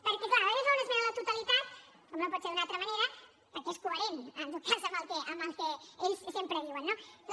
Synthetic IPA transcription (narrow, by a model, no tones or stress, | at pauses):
pəɾkeklaɾoezounezmenaðt̪ut̪alit̪at̪ | komnopɔt̪seɾðunalt̪ɾəmaneɾɐ | pəɾkeeskueɾenənt̪ot̪̚kʰazəməlkeʔəməlkeeʎssjempɾeβiwənːo